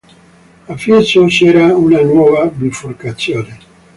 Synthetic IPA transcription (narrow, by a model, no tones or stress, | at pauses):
afit͡ʃot͡ʃɛːɾaunanwɔːvabluforkat̪sːjoːne